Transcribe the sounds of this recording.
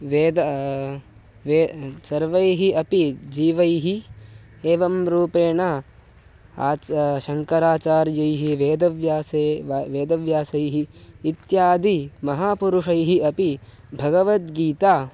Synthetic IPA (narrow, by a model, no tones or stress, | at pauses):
ʋeːd̪ɐ | ʋeːsɐɾʋɐjɦiɐpid͡ʒiːʋɐjɦi | eːʋɐmɾuːpeːɳaː | aːt͡ʃʃɐŋkɐɾaːt͡ʃaːɾjɐjɦiʋeːd̪ɐʋjaːseʋeːd̪ɐʋjaːsɐjɦiːt̪jaːd̪imɐɦaːpuɾuʂɐjɦiɐpi | bʱɐɡɐʋɐt̪ɡiːt̪aː